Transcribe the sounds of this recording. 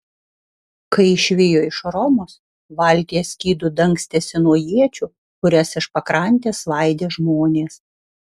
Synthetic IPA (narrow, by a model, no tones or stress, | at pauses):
kɐɪɪʃʲʋʲɪjoːɪʃɾɔmoːs | ʋɐˑlʲt̪ʲijɛsʲkʲiːd̪ʊd̪ɐŋʲˑksʲt̪ʲeːsʲɪnuɔjiɛt͡ʃʲʊ | kʊɾʲɛsɪʃpɐkɾɐˑnʲt̪ʲeːslˠɐˑɪd̪ʲeːʒmoːnʲeːs